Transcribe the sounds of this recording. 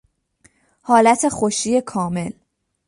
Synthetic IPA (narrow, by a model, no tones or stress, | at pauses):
hɒːlæt̪ʰe̞xoʃiːe̞kʰɒːme̞l